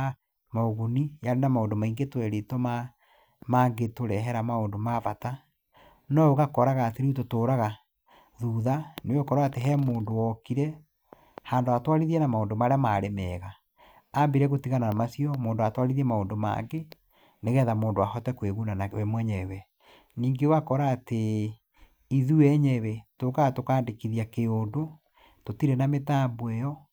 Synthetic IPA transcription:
maoɣunijaɾenamaoːndomaiŋɡetwɛɾetɔma | maŋɡetoɾɛɦɛɾamaoːndomavata | nɔoɣakɔɾaɣaːteɾiutotoːɾaɣa | ðuːðanewokɔɾaateɦɛːmoːndowɔkiɾɛ | haːndoatwaɾiðiɛnamaoːndomaɾeamaɾemɛɣa | ambiɾɛɣotiɣananamasiɔmoːndoatwaɾiðiɛmaondoma̰ŋɡe | neɣɛːðamoːndowahɔtɛkweɣunanaɛmwɛɲɛwɛ | niːŋɡewakɔɾaːte | iðuɛɲɛwɛtokaɣatokaːndekiðiakeoːndo | totiɾɛnametaːmbwɛjɔ

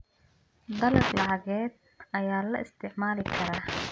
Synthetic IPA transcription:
d̪ɐlɐɡlɑʕɑɣɛːd̪̚ | ɐjaːlɐʔɪst̪ʰɪʕmaːlɪkʰɐɾaː

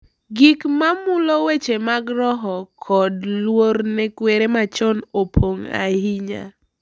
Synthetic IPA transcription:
ɡikmamʊlowet͡ʃemaɡɾɔɦɔkʰɔdlwoɾnɛkweɾemat͡ʃɔnopʰoŋa̰hiɲa̰

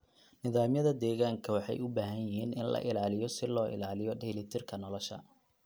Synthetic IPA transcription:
nɪðaːmjɐðɐd̪ɛːɣaːŋkʰɐwɑħɑ̰jʊbaːɦɐjjɪɦiːnɪnlɐ̰ʔɪlaːlɪjɔsɪlɔːʔɪ̰laːlɪjɔɖɛlɪt̪ʰɪrkʰɐnɔlɔʃɐ̰

